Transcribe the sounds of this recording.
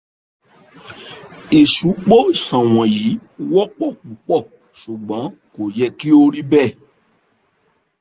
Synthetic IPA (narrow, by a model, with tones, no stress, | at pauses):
i˨ʃu˨˦k͡po˦i˦˨sã˨w̃ɔ̃˨ji˨˦wɔ˦k͡pɔ˦˨kũ˨˦k͡pɔ˦˨ | su˨ɡ͡bã˨˦ | ko˨jɛ˧ki˦o˦ɾi˦bɛ˦˨